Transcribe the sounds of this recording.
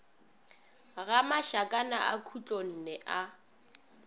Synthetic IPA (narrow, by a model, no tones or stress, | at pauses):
ɣamaʃakʼanaʔa̰kʰut͡ɬʼon̩ːnɛʔa